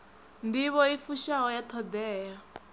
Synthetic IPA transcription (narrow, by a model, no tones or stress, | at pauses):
ndiβɔifuʃaɦɔjat̪ʰɔd̪ɛːja